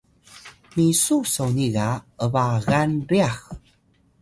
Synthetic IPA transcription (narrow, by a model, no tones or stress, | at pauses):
misusowniɣaəvaɣanɾiax